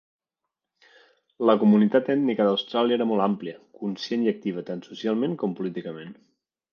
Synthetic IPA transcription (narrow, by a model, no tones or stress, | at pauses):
ləkumunit̪at̪ɛt̪nikəd̪əwst̪ɾalˠiəeɾəmɔlˠampliəkunsjeniək̚t̪iβ̞ət̪ansusialˠmẽŋkɔmpulit̪ikəmẽn